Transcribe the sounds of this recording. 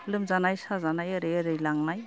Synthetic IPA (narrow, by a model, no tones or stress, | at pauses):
lɯmzanajsazanajɯɾɯjɾɯjlaŋnaj